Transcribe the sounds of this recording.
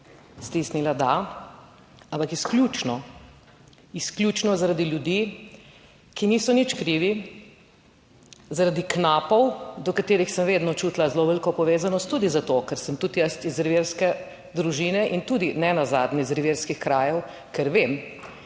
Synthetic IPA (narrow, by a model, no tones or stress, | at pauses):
st̪isnilad̪a | ampakisklʲjut͡ʃnɔ | isklʲjut͡ʃnɔzaɾad̪iljud̪i | kiniːsɔnit͡ʃkɾiːʋi | zaɾad̪iknaːpɔwd̪ɔkat̪eːɾixsəmʋeːd̪nɔt͡ʃuːt̪lazloʋəlkɔpɔʋeːzanɔst̪ːuːd̪izat̪okɛɾsəmt̪ut̪jəst̪izɾʋeɾskɛ | d̪ɾuʒiːnɛʔint̪ud̪inɛnaza̰ːd̪nɛizɾiʋeɾskixkɾaːjɛw | kɛɾʋeːm